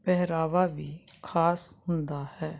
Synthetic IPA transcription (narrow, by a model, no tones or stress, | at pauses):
pɛɦɾaːʋaːbiːkʰaːshʊ̃nd̪aːhɛː